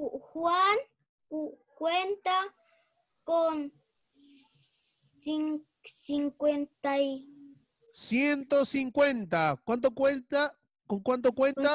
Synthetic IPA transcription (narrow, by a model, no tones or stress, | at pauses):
uʔxwan | uʔ | kwent̪a | kon | siŋ | siŋkʷent̪aj | sjent̪osiŋkwent̪akwant̪̬okʷwet̪a | koŋkwant̪okwent̪a